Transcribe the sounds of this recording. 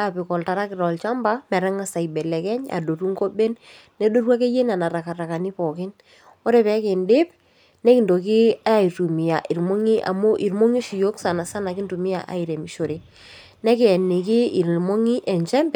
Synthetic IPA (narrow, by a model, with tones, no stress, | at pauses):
a˦˨pɪ˨kɔ˨lta˨ɾa˦kɪ˨ɾɔ˨lt͡ʃa˦mba˦mɛ˨ɾɛ˦ŋa˦sa˨jbɛ˨lɛ˨kɛ˦ɲa̰˨do˨tu˦ŋko˦be˦nː | ɛ˦do˦rwa˦ke˦je˦na˨na˨ɾa˨ka˨ra˨ka˨ni˦pɔ˨kɪ˦n | ɔ˦ɾe˨pɛ˦kɪ˨ndɪ˦p | nɛ˦kɪ˨ndo˨k̬ɪ˦a˦i˨tu˨mi˨ja˨ʔi˨ɾmo˦ŋi˦ʔa̰˨mo˦ʔi˨ɾmo˦ŋi˦ʃi˨jo˦ksa˨na˨sa˦na˨kɪ˦ntu˨mɪ˦a˨ʔa̰˨i˨ɾe˨mi˨ʃo˨ɾe˨ | nɛ˦kɪ˨ɛ˨ni˨kɪ˦i˨ɾmo˦ŋi˦ʔɛ˨ɲt͡ʃɛ˦mbɛ˨